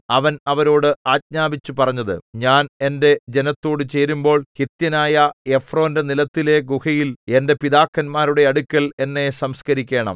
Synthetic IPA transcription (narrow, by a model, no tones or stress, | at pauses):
ɐʋɐnɐʋɐɾo̞ːɽɨaːt̚ɲaːbit͡ɕːupɐrɐɲːɐðɨ̰ɲaːne̞nde̞d͡ʑe̞nɐt̪ːo̞ːɽɨt͡ɕe̞ːɾumbo̞ːɭhit̪jɐnaːjɐe̞fro̞ːnde̞nilɐt̪ːile̞ɡuhɐjile̞nde̞piðaːkːɐnmaːɾuɽe̞ɐɽukʲːɐɭe̞nːe̞sɐmskɐɾikʲːe̞ːɳɐ̰m